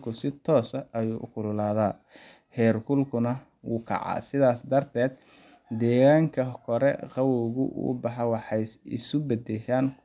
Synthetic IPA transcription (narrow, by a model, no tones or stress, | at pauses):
kʰʊsɪt̪ʰɔːsɐʔɐjuːʔʊkʰʊlʊlaːðaː | hɛːrkʰʊlkʰʊnɐ | wuːkʰɑ̰ʕɑ̰ːsɪðaːsd̪ɐrt̪ʰɛːd̪̚ | d̪ɛːɣaːŋkʰɐkʰɔɾɛ̰qɑwɔɣʊ̰ʔṵbɑħɑwɑħɑjsɪ̰sʊbɛd̪ɛʃaːn